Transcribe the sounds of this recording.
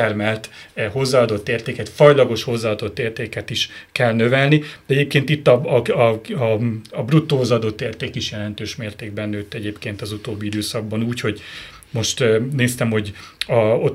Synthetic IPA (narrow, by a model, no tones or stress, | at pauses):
ɛrmɛlt̪ɛho̞zːaːd̪o̞t̪ːeːrt̪eːkɛt̪fɒjlɒɡo̞ʃho̞zːaːd̪o̞t̪ːeːrt̪eːkɛt̪iʃkɛlnø̞vɛlnid̪ɛɟeːp̚keːnt̪it̪ːɒɒɒɒbrut̪ːoːzɒd̪o̞t̪ːeːrt̪eːkiʃjɛlɛnt̪øːʃmeːrt̪eːɡ̚bɛnːøːt̪ːɛɟeːpkeːnt̪ɒzut̪oːbːiid̪øːsɒɡ̚bɒnuːcho̞ɟ | mo̞ʃt̪neːst̪ɛmho̞ɟɒo